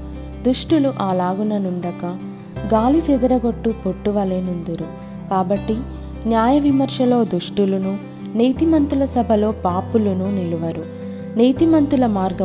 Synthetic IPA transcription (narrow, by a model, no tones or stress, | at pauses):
d̪uʂʈuluʔaːlaːɡunɐnuɳɖɐkɐ | ɡaːlit͡ʃɛd̪ɐɾɐɡo̞ʈːupoʈːuʋɐleːnund̪uɾu | kaːbɐʈːi | njaːjɐʋimɐɾʂɐlo̞ːd̪uʂʈulunu | niːt̪imɐnt̪ulɐsɐbʱɐlo̞ːpaːpulununiluʋɐɾu | niːt̪imɐnt̪ulɐmaːɾɡɐ